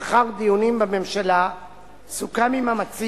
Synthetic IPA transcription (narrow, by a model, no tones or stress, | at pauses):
χaʁd̪ijunimbame̞mʃala | sukamimamat͡s